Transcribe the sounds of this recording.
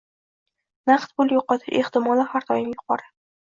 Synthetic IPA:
nɑqt̪̚bʊlˠjoqɒt̪ʰɪʃeht̪ɪmɒlˠɪhaɾt̪ʰɒjɪmjʊqʰɒɾa

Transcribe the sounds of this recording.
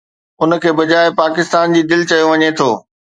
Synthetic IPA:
ʊnkʰeːbɐd͡ʑaːɪpaːkɪst̪aːnd͡ʑiːd̪ɪlt͡ɕɐjoʋɐɲet̪ʰoː

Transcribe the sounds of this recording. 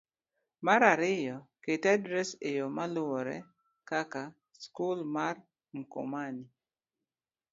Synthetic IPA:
maɾaɾɪjɔketadɾɛsɪjɔmalʊwɔɾɛ̰ | kaka | skulmar | ŋ̩kʊ̰mani

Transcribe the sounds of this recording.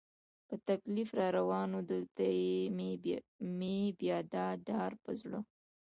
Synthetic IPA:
pət̪aklifɾɑɾawɑnod̪əlt̪aje | mebjɑd̪ɑɖɑɾpəzɽə

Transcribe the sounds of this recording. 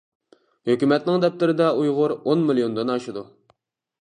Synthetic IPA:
høkʲymɛt̪nɪŋd̪ɛp̚t̪ɪɾɪd̪ɛujʁʊɾonmɨlijond̪onɑʃɨd̪u

